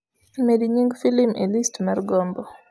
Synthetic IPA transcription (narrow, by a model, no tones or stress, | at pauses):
mediɲiŋɡfilimʔelistmarɡɔmbɔ